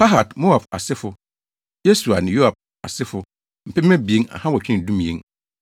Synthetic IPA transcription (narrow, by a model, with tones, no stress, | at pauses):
pʰa˦ɦa˨tmo˦a˨ba̰˨sɪ˦fʊ˨ | je˦su˨a˨nɪ̃˨jo˦a˨b̚ | a̰˨sɪ˦fʊ˨ | m̩˨pʰɛ˦ɛ̃˦bi˨e˦ŋa̰˨hã˦wɔ˨t͡ɕᶣɪ˦nɪ̃˨dũ˦mĩ˨ḛ̃˨˦ŋ